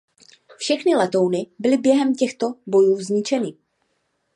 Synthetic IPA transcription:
fʃɛxnɪlɛt̪o̞wnɪbɪlɪbjɛɦɛmcɛxt̪o̞bo̞juːzɲɪt͡ʃɛnɪ

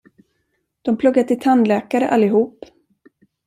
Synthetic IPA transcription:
d̪̥ɔmpʰlɵɡːat̪ʰɪlt̪ʰanlɛːkaɾəʔalːɪɦuːp

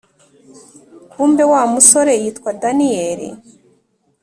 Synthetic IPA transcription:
kuːmbe̞waːmusoɾejiːtkwadanijeɾḭ

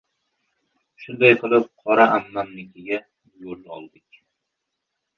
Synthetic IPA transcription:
ʃʊnd̪ajqʰɨlˠɪp̚qʰɒɾaʔamːanːɪkʲʰɪɡʲa | jolɒ̰lˠd̪ɪkʲ

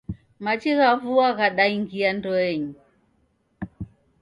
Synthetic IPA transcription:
mat͡ʃiɣavuaɣaɗaiŋɡiandɔɛɲu

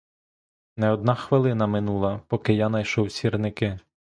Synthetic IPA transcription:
nɛɔd̪̚nɑxʋɪlˠɪn̪ɐmɪnulˠɐpɔkɪjanɐjʃɔwsʲirnɪkɪ

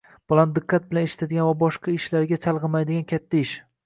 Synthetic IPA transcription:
b̥ɒlˠand̪ɨqʰːɑt̪̚bɪlaneʃɪ̥t̪ʰad̪ɪɡʲanvabɒʃqʰɑɪʃlaɾɡʲat͡ʃʰalˠʁɨmajd̪ɪɡʲankʲʰat̪ʰːaɪʃ

